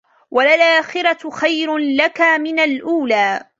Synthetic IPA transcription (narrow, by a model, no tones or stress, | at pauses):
wʔalalʔaːxɪɾɑxajɾʊlakamɪnalʔuːlaː